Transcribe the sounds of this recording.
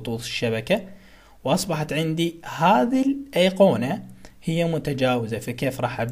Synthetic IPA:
t̪ˤuːt̪ˤɪ̥ʃːabaka | wʔɑsˤbɑħɑt̪ʕɪnd̪ihaːðilʔajqoːnahɪjːamʊt̪ad͡ʒaːwɪzafikeːfɾˤɑːħʔab

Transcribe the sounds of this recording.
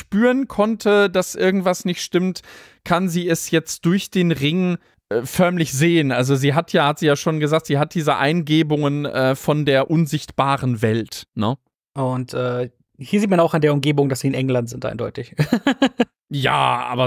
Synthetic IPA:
ʃpyːʁənkʰɔntʰədasʔɪɐɡŋ̩tv̥asnɪçtʃtɪmt | kʰanziːɛsjɛt͡std̥ʊɐçd̥eːnʁɪŋ | ʔfœɐmlɪçz̥eːənʔalzoziːɦatʰjaːhatz̥iːjaːʃoːnɡəzaːk̚tz̥iːɦat̚d̥iːzəʔa̰ɪnɡeːbʊŋənʔɛːfɔndeːɐʔʊnzɪçtb̥aːʁənvɛltnə | ʔʊntʔɛː | hiːɐziːtmanaʊxɪndeːɐʊmɡeːbʊŋdasz̥iːɪnʔɛŋlantz̥ɪntʔa̰ɪndɔʏtɪç | ja̰ːʔa̰ːbɐ

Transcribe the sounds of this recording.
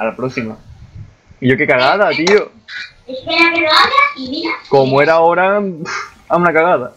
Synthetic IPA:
alapɾosima | iʝoke̞kaɣaðat̪io | eskenakeɣaʎaimiɾakomoe̞ɾaoɾa | aunakaɣaða

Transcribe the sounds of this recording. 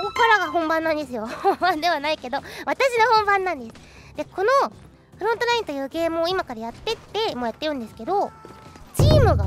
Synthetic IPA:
kokaɾaɡaɦõ̞mbãnːãnd̪e̞sɨjo̞hõmbãnd̪e̞βanaike̞d̪o̞βat̪aɕinohõ̞mbãnːãnd̪e̞sɨ̥ | d̪̥e̞ko̞no̞ | ɸɯ̟ɾõnt̪oɾaĩnt̪ojɯ̟ːɡe̞ːmɯːimakaɾajat̪ːe̞t̪ːe̞moːjat̪ːe̞jɯ̟̃nd̪e̞sɨ̥ke̞d̪o̞ | t͡ɕiːmɯ̟ɡa

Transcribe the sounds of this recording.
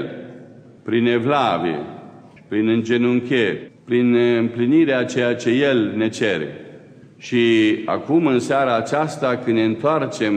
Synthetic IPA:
l | pɾine̞vlaviḛ | pɾinɨnd͡ʒe̞nuŋkʲerʲpɾinɨmpliniɾeat͡ʃe̞jat͡ʃe̞je̞lne̞t͡ʃeɾḛ | ʃia̰kumɨnseaɾaːt͡ʃast̪akɨnne̞ɨnt̪oart͡ʃe̞m

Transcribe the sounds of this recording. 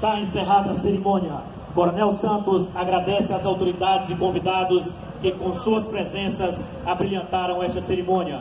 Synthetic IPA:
t̪aẽseɦad̪ɐseɾimõniɐ | koɾonɛwsɐ̃nt̪ʊsaɡɾad̪ɛsɪazawt̪oɾid̪ad͡ʒɪzɪkõvid̪ad̪ʊs | kɪkõsuɐspɾezẽsɐs | abɾiẽnt̪aɾɐ̃w̃ɛʃt̪ɐseɾimõniɐ

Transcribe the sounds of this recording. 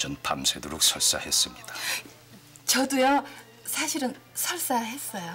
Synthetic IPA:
t͡ɕʌnpʰamsʰedoɾok̚sʰʌɭs͈a̰hes͈ɯmɲid̥a | t͡ɕʌdujʌ | sʰaɕʰiɾɯnsʰʌɭs͈aɦe̞s͈ʌjo

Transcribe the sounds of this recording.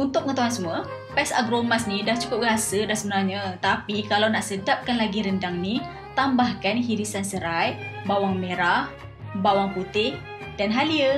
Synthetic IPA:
unt̪ʊkp̚əŋət̪oɦansəmuə | pɛsa̰ɡɾomasnidaht͡ʃu̥kʊp̚ɡəɦasədasəbənarɲat̪apikalawnaʔsəd͡ʒap̚kanlaɡiɾəndaŋni | t̪ambahkanhiɾisansəɾajʔ̚bawaŋmeɾah | bawaŋput̪ɪh | danɦaliə

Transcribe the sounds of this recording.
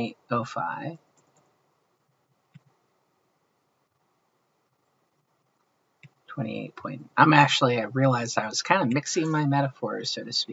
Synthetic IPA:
ɪoʊfa̰ɪv̥ | tʰw̥ɛ̃ɾ̃ḭḛɪt̚pʰɔ̃ɪ̃nʔãɪ̃mæk̚t͡ʃl̩ˠiaɪɹiəlaɪzdaɪwʌz̥kʰãɪ̃ndɨmɪksɪ̃ŋmaɪmɛɾɨfɔɹsoʊɾɨsp

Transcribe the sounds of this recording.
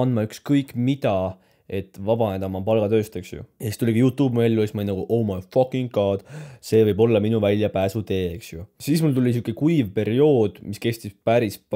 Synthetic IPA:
ɑnd̪mɑykskɤjkːˑmid̪̥ɑ | e̞t̪vɑb̥ɑned̪ɑmɑpɑlɡ̥ɑt̪ø̞ːst̪e̞ksjṵjɑsist̪ulʲiɡijuːt̪ːˑuːbmelʲːuesmɑjnnɑɡuʔowmɑfɑkiŋɡkɑːd̪̥se̞ːvɤjbo̞lːɑminuvælʲjɑpæːsut̪e̞ːeksjusiːsmult̪ulʲis̬ukːˑekujvpe̞ɾio̞ːd̪̥miske̞st̪ispæɾisp

